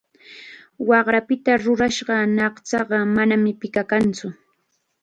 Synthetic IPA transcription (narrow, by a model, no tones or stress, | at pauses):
wɑɢɾapɪt̪aɾʊɾaʃɢɑnɑχt͡sɑɢɑmanamɪpɪkakant͡sʊ